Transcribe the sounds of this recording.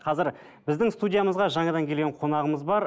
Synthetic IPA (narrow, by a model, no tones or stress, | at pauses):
qʰɑzɪɾ | bɪzd̪ɪŋst̪udʲijaməzʁɑʒɑɴɑd̪ɑŋkʲʰeɡʲeɴqʰo̞nɑʁəməzbɑɾ